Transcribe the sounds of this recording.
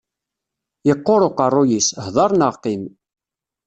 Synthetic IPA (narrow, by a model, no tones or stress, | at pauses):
jəqːoɾoqərˤːʊjishðˤɑɾˤnəʁqim